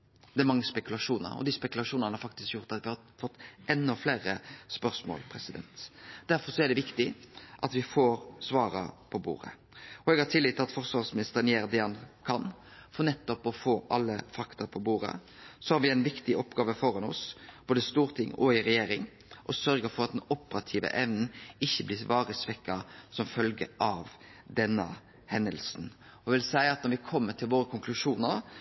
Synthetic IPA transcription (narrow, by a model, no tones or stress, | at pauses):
d̪ɛæɾmɑŋːəspɛkʉlɑʂuːnə̰ɾɔ̰d̪ɪspɛkʉlɑʂuːnɑnəhɑɾfɑkt̪ɪskjʊɾt̪ɑt̪ʋɪhɑɾ | fɔt̪ːɛnːɔfleːɾəspœɾsmo̰ːlpʰɾɛsɪd̪ɛ̰nt̪d̪̥æɾfɔɾʂɔɛɖ̪ɛʋɪkt̪ɪʔɑt̪ʋɪfoːɾsʋɑːɾɑ̰pʰɔbṵːɾə̰ | ɔɛɡhɑt̪ʰɪlːiːt̪ːɑt̪fɔɾsʋɑʁsmɪnɪst̪əɾənjeːɾd̪ɛɑnkʰɑnfɔnɛt̪ːɔpɔfoːʔɑ̰lːə̰fɑkt̪ɑpʰɔbuːɾə̰ | sɔhɑɾʋɪæɪnʋɪkt̪ɪʔɔpɡɑːʋəfɔɾɑnɔ̰sb̥oːd̪əst̪uːɾt̪ʰɪŋːɔɪɾɛjeːɾɪŋ | ʔɔsœɾɡəɾfɔɾɑt̪d̪ɛnɔpəɾɑt̪ʰiːʋə̰ʔɛʋnn̩ɪçːəblɪʋɑːɾəsʋɛkːɑsɔmfœlɡə̰ʔɑʋd̪ɛnːə̰ | hɛnd̪əlsn | ɔʋɪlsæɪɑt̪nɔɾʋɪkʰɔmːəʈʰɪlʋoːɾəkʰʊŋklʉʂuːnəɾ